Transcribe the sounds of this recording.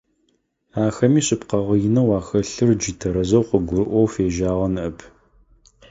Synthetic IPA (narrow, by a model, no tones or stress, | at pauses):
aːxɐmiːɕɪpqɐʁəjɪnɐwɑːxɐɬɨrd͡ʒitʰɐɾɐzɐwqəɡʷʊɾɨʔʷowfeːʒaːʁɐnɨʔɐpʰ